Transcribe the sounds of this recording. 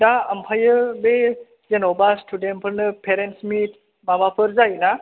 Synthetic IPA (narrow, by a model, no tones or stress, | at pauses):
daɐmpʰajɯbe | zenobastʰudenpʰɯɾnɯpʰeɾensmit | mamapʰɯɾzajna